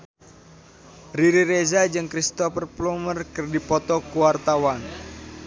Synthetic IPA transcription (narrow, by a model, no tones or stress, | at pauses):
riɾiɾezad͡ʒɨŋkɾist̪ɔfərplɔmərkɨrdipɔt̪ɔkuwart̪awan